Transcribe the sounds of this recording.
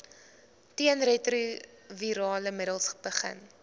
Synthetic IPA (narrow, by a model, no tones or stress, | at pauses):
tiənretruviɾɑːləmədəlˠsb̥əχə̰n